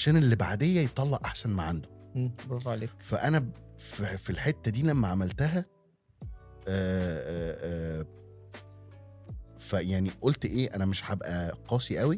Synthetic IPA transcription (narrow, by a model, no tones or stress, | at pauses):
aʃæːnelːiba̰ʕd̪ejːæjet̪ˤːɑlːɑʔʔaħsænmaʕand̪o̥ɑˤɑʕleːkfæʔænæffilħet̪ːæd̪iːlæmːæʕamælt̪æɦæ | ʔː | fæjaʕniʔolt̪ʔeːʔænæmeʃħabʔæqɑːsiʔæwi